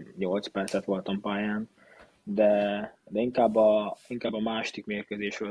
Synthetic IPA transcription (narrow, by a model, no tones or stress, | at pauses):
ɲo̞lt̪spɛrt̪sɛt̪ʋo̞lt̪ɒmpaːjaːn | d̪ɛd̪ɛiŋkaːbːɒiŋkaːbːɒmaːʃod̪ikmeːrkøzeːʃʋol